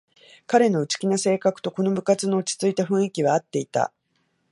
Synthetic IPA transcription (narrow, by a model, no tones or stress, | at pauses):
kaɾe̞no̞ɯ̟t͡ɕi̥kʲinase̞ːkakɯ̟̥t̪o̞ko̞no̞bɯ̟kat͡sɨno̞ːt͡ɕi̥t͡sɨit̪aɸɯ̟̃ɰ̃ikʲiβaːt̪ːe̞it̪a̰